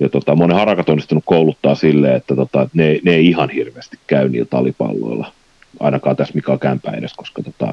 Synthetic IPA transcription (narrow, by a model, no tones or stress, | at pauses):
jɑt̪ot̪ɑmonehɑrɑkɑt̪onːˑist̪unukkoulut̪ːɑːsilːeːet̪ːæt̪ot̪ɑneineiihɑnhirʋeːst̪i̥kkæynḭːlt̪ɑlipɑ̰lːo̰ilːɑ̰ | ɑ̰inɑkɑːt̪æsmikɑkæmpæ̰ːḛɾesko̥skɑt̪ot̪ɑ̰